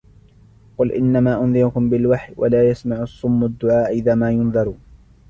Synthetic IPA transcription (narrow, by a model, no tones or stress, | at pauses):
qʊlʔɪ̰nːamaːʔʊnðɪɾʊkʊmbɪlwaħjwʔa̰laːjasmaʕʊsˤːʊmːʊd̪ːʊʕaːʔʔɪðaːmaːjʊnðˤɑɾˤuːn